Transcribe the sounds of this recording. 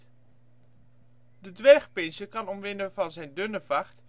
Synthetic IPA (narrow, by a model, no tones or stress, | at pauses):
dədʋɛrχpɪnsəkɑnɔmʋɪnəvɑnzɛjndønəvɑχt